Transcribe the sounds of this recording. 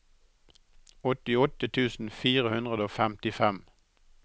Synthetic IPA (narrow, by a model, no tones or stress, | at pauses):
ɔt̪ɪɔt̪ət̪ʰʉːsn̩fiːʁəhʉnd̪ʁəd̪əoːfæmt̪ɪfɛm